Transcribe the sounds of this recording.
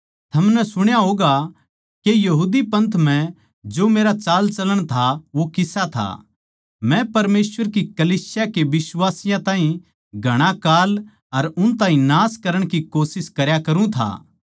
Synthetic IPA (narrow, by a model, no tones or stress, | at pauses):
t̪ʰɐmnɛsʊɽ̃jaɦoːɡa | kejɐɦuːd̪ipɐ̃nt̪ʰm̤ɛ̃ | d͡ʒoːmeːɾat͡ʃaːlt͡ʃɐləɽ̃t̪ʰaʋokɪsat̪ʰa̰ | mɛ̃pɐɾmeːsʋəɾk̬ikɐliːsɪjakeʋɪswaːsɪjãt̪ãːɦĩ | ɡʱɐɽ̃akaːl | ɐɾʊnt̪ãːɦĩnaːskɐɾəɽ̃kikoːsɪskɐɾjakɐɾũt̪ʰa̰ː